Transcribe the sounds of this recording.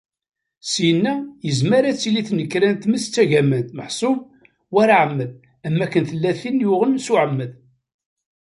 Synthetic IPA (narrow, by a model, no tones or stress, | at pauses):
sjənːæjəzmæɾæt͡sːiliθnəkːɾænt̪məst͡sːæʝæmənt̪məħsˤʊm | wæɾaʕəmːəð | æmːækːənθəlːæθinjʊʁənsuʕəmːəð